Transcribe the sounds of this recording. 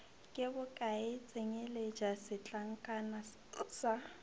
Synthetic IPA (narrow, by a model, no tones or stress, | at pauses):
kʼɪbʊkʼaɪt͡sʼeŋeled͡ʒasɪt͡ɬʼaŋ̩kʼana | sa